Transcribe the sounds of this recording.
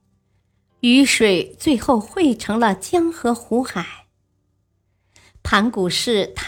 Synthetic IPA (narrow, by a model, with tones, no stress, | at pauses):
y˧˥ʂwe˨˩ɪt͡swe˥˧ɪxo˥˧ʊxwe˥˩ɪʈ͡ʂʰɤ˧˥ŋlə˧t͡ɕjɑ˥ŋxɤ˧˥xu˧˥xa˨˩˦ɪ | pʰa˧˥nku˨˩ʂɻ̩˥˩t̪ʰ